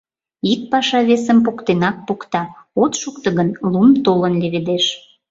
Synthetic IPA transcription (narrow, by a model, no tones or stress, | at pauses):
ik̚pɑʃɑβesəmpukt̪enɑk̚pukt̪ɑot̪ʃuk̚t̪ə̆ɣənlumt̪olənlʲeβed̪eʃ